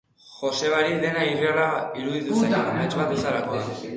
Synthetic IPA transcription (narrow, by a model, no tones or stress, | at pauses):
xo̞se̞βaɾiðe̞nairiaɾaiɾuðit̪usajmet͡ʃβat̪usaɾakoa